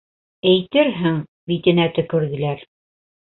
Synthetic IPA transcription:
æjt̪ɘɾɦɘŋ | bit̪ɘ̆næt̪ɵ̆kʉ̆ɾɣɘ̆læɾ

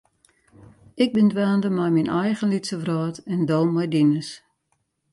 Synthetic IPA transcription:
ɪɡ̚bɪndʋaːndəmajminʔɛjɣənlitsəvrɔːtɛndoːmɔjdinəs

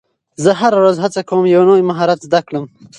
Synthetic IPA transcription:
zəɦaɾaɾazɦat͡sakawəmjawnojmaɦɑɾat̪zd̪akɽəm

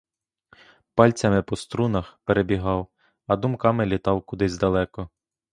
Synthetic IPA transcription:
pɑlʲt͡sʲɐmɪpɔst̪ɾunɐxpeɾebʲiɦɑw | ɐd̪ʊmkɑmɪlʲit̪ɑwkʊd̪ɪzʲd̪ɐlˠɛkɔ

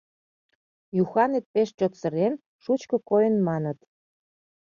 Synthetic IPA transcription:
juxɑnet̪̚peʃt͡ɕot̪sə̆ɾen | ʃut͡ɕkɤ̆kojənmɑnə̆t̪

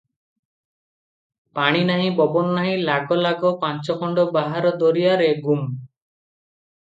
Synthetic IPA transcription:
paɽ̃inaɦĩbɔbɔnɔnːaɦĩlaɡɔlaɡɔpant͡ʃɔkʰɔɳɖɔbaɦaɾɔd̪ɔɾijaɾeɡum

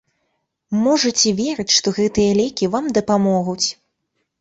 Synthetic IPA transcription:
mɔʐɐt͡sʲɛvʲɛɾɨt͡sʲʂt̪ɔɣɛt̪ɨjɐlʲɛkʲivamd̪ɐpamɔɣut͡sʲ

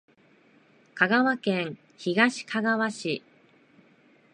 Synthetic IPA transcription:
kaɡaβakẽ̞ŋ̃ | çiɡaɕi̥kʰaɡaβaɕi

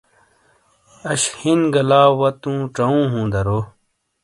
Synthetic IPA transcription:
ɐɕhinɡɐlaːwɐt̪ũːʈ͡ʂɐũːɦũːd̪ɐɾoː

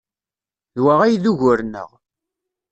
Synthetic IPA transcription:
ðwaʁæjðuʝʊɾnə̰ʁ

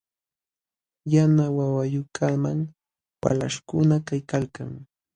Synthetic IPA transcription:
janawawajʊkʰamaŋ | wa̰la̰ʃkʊnakajkalkaŋ

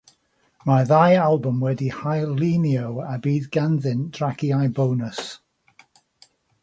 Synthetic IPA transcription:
maðajalˠbʊmwɛdihajlˠiniowabiːðɡanðɨnd̥raɡiajbownəs

